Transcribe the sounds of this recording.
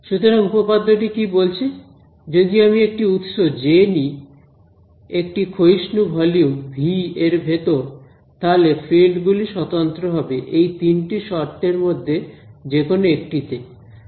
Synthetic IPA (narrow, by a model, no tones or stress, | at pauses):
ʃut̪oɾaŋupopad̪ʱːoʈikibolt͡ɕʰe | d͡ʑod̪ioamiek̚ʈiut̪ʃod͡ʑeni | ek̚ʈikʰoiʃnubʱɔlijumbʱieɾbʱet̪oɾ | t̪alefilɖɡuliʃɔt̪ont̪ɾoɦɔbeʔejt̪inʈiʃɔɾt̪eɾmod̪ʱːed͡ʑekonoekʈit̪e